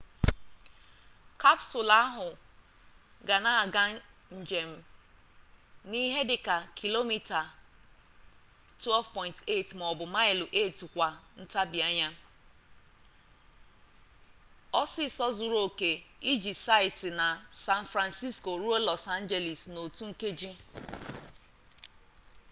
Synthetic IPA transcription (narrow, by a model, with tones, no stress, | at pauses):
ka˦psʊ˨la˦ɦʊ˨ | ɡa˨na˨ɡa˦n̩˨d͡ʒe˨m̩˦ | ni˦ɦe˦dɪ˨ka˨kʰi˨lo˦mi˦ta˨ | tɛ˦lvpɔ˦ɪ̃˨nte˦˨tm˨ɔ˨bʊ˨ma˦ɪ˨lʔe˦˨tkʷa˨n̩˦ta˦bi˨a˦ɲa˦ | ɔ˦sɪ˦˨sɔ˦zʊ˨ɾo˦˨ke˨i˦d͡ʒi˨sa˦ɪ˨tɪ˨na˨sa˦n̩˨fɾa˨nsi˦sko˨ɾu˦o˦lɔ˨sa˦n̩˦d͡ʒe˨li˨sno˨tu˦ŋ̩˦ke˦d͡ʒi˦